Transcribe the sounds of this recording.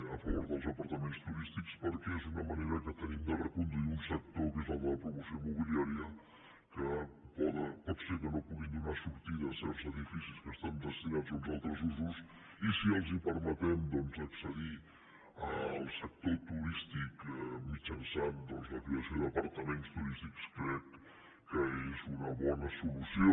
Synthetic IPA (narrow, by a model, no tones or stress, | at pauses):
əfəβoɾðəlˠzəpəɾt̪əmenst̪uɾist̪ikspəɾkɛezunəməneɾəkət̪ənimd̪ərəkund̪uiunsək̚t̪okifamuləpɾumusiomuβiliaɾiə | kəpɔðəpɔt̪sekənopuɣind̪unasuɾt̪iðəsɛɾzəðifisiskəst̪amd̪əst̪inazalˠzalˠt̪ɾəzuzus | isiəlˠzipəɾmət̪ɛmd̪ɔnzəksəði | əlˠsək̚t̪ot̪uɾist̪ikmit͡ʃənsand̪ɔnzləkɾiəsjoðəpəɾt̪əmenst̪uɾist̪ikskɾɛkː | əezunəβɔnəsulusio